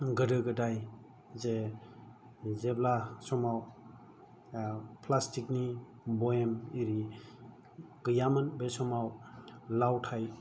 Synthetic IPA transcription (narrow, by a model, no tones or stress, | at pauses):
ɡɯdɯɡɯdaj | ze | zeblasɔmaw | pʰlastikni | bɔemiɾi | ɡ̥ɯjamanbesɔmawlawtʰaj